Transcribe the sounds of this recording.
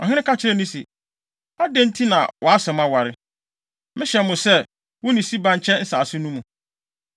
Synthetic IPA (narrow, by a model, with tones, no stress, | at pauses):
ɔ̰˨ɦɪ̃˦ɪ̃˦kʰa˦t͡ɕʰɪ˦ɾɛ˦˨nĩ˦sḭ˨ | a˦dɛ̃˦n̩˦tʰi˦nã̰˨wʔɔ˨a˦sɛ̃˨mã˦wa˨ɾɪ˦ | mɪ̃˦ɕɛ˨˦mʊ̃˨sɛ˦ | wʊ̃˦nĩ˨si˦bã˨ɲ˦t͡ɕʰɛ̃˦n̩˦saː˨sʊ˦nũ˦mũ˨